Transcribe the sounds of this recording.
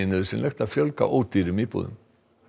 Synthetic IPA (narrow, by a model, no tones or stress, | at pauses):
ɪnɪðʏsɪnlʔɛxt̪aðfjœlka̰ʔoːwt̪iːɾʏmipo̰ːðʏ̰m